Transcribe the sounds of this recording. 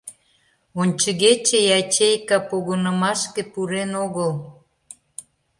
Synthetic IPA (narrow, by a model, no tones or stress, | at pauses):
onʲt͡ɕəɣet͡ɕejɑt͡ɕejkɑpoɣənəmɑʃkepuɾenoɣəl